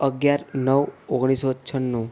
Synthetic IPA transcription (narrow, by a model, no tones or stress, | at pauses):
əɡjaɾnəʋoɡɽ̃isotːt͡ʃʰənːũ